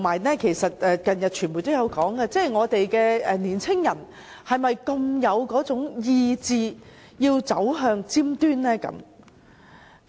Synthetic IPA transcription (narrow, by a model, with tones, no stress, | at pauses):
tmːaː˨˩jnɛː˥kʰe˨˩jsɐ˨t̚ɛː˨˧kɐ˨njɐ˨t̚t͡ʃʰyː˨˩nmu˨jt̪o˥wjɐ˨˧wkɔː˨˥ŋkɛ˧t͡sɛː˥˩jŋɔː˨˧t̪e˨jkɛː˧ɛː˨˧niː˨˩nt͡sʰɪ˥ŋjɐ˨˩n | hɐ˨jmɐ˨jkɐ˧mjɐ˨˧wkɔː˨˥t͡sʊ˨˥ŋjiː˧t͡siː˨˧ | jiː˧wt͡sɐ˨˥wɦœː˧ŋt͡siː˥mt̪yː˥nlɛː˥kɐ̰˨˥m